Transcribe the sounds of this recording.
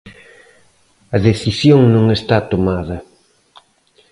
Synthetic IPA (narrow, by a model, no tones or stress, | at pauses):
ɐðeθisjoŋnũŋest̪at̪omaðɐ